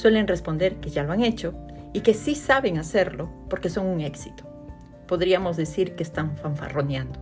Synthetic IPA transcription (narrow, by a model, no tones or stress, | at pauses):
swe̞le̞nrespond̪e̞ɾkeʝaloaŋet͡ʃoike̞sisaβeŋaseɾlopo̞ɾke̞so̞ŋuŋeksit̪o̥ | poðɾiamo̞zðesiɾkeːst̪aɱfaɱfa̰ronjãnd̪o